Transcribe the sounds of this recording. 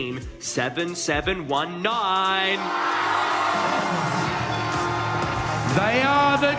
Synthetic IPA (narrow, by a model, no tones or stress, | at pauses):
m | sɛvɨ̃nsɛvɨ̃nwʌ̃nːaɪ̃n | ðeɪəðə